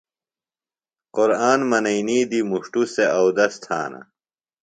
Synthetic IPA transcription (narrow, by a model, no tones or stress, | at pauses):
qoɾaːnmɐnɐiniːd̪imuʂʈuseɐwd̪ɐst̪ʰa̰ːnɐ̰